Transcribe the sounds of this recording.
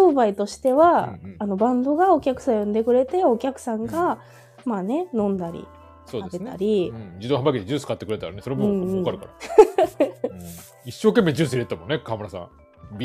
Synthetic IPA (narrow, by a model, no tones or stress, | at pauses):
oːbait̪o̞ɕi̥t̪e̞βaːno̞bãnd̪o̞ɡao̞kʲakɯ̟̥sajõnd̪e̞kɯ̟ɾe̞t̪e̞o̞kʲakɯ̟̥sãŋɡa | maːne̞nõ̞nd̪aɾʲḭ | soːdaebe̞nt̪a̰ɾʲĩd͡ʑid̪oːɦãmbaket̪ed͡ʑɨːsɨ̥kat̪ːekɯɾe̞t̪aɾa̰neso̞ɾemoɯ̃ɴɯ̃kaɾɯkaɾa | iɕːo̞ːke̞mːed͡ʑɨːsɨiɾet̪ːamõ̞nːekamɯɾasã̰ | bʲi